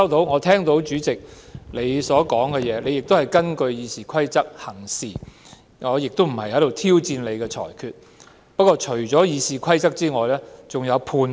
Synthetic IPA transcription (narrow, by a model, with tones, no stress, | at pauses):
ɐ˥wt̪o˨˥wŋɔː˨˧t̪ʰɛː˥ŋt̪o˨˥wt͡ʃyː˨˥t͡sɪ˨k̚le˨˧jsɔː˨˥kɔː˨˥ŋkɛ˧jɛː˨˧nle˨˧jɪ˨k̚t̪o˥whɐ˨˩jkɐ˥nkɵ˧ɥjiː˨˧siː˨˩kʰɐ˥jt͡sɐ˥k̚hɐ˨˩ŋsiː˨˩ | ŋɔː˨˧jɪ˨k̚t̪o˥m̩˨˩hɐ˨jhɐ˨˥jt̪wt̪ʰiː˥wt͡siː˧nle˨˧jkɛː˧t͡ʃʰɔ̰ː˨˩jkʰyː˨˧t̚ | pɐ˥t̚kːɔː˧t͡ʃʰɵ˨˩ɥt͡sɔː˨˥jiː˨˧siː˨kʷʰɐ˥jt͡sɐ˥k̚t͡siː˥ŋɔː˨˧jlɛː˥t͡sʊ˨ŋjɐ˨˧wpʰuː˨n